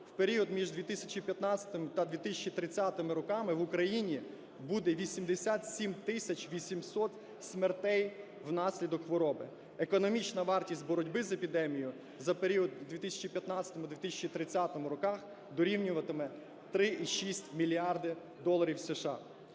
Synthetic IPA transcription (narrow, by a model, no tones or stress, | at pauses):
wpeɾʲiɔd̪mʲiʒd̪ʋʲit̪ɪsʲɐt͡ʃipʲjɐt̪nɑt͡sʲɐ̥t̪ɪmɪt̪ɐd̪ʋʲit̪ɪsʲɐt͡ʃit̪ɾɪt͡sʲːat̪ɪmɪɾɔkɑmɪʋʊkɾɐjinʲi | bud̪ɛʋʲisʲimd̪esʲat̪sʲimt̪ɪsʲɐt͡ʃʋʲisʲimsɔt̪ | sʲmert̪ɛj | wnɑsʲlʲid̪ɔkxʋɔɾɔbɪ | ekɔnɔmʲit͡ʃnɐʋɑrtʲisʲtʲbɔɾɔdʲbɪzɐepʲid̪ɛmʲijʊ | zɐpeɾʲiɔd̪d̪ʋʲit̪ɪsʲɐ̥t͡ʃipʲjɐt̪nɑt͡sʲsʲɐt̪ɔmʊd̪ʋʲit̪isʲt͡ʃit̪ɾɪt͡sʲat̪ɔmʊɾɔkɑx | d̪ɔɾʲiwnʲʊʋɐt̪ɪmɛ | t̪ɾɪʔiʃisʲtʲmʲilʲiɑrd̪ɪ | d̪ɔlˠɐɾʲiwseʃɑ̰